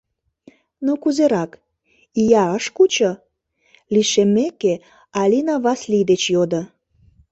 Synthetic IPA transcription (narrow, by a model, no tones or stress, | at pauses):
nokuzeɾɑk | ijɑəʃkut͡ɕə | liʃemːeke | ɑlʲinɑβɑslid̪et͡ɕjod̪ə̆